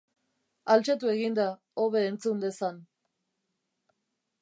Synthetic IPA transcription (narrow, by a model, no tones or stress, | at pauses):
alt͡ʃet̪ue̞ɣind̪a | oβe̞ːnt͡sund̪e̞san